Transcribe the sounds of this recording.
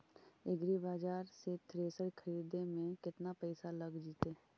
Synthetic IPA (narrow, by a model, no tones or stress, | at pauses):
ɪɡɾibaːd͡ʒaːɾset̪ɾeːsəɽkʰəɾiːd̪emẽkɪt̪napɛɪsaləɡd͡ʒiːt̪eː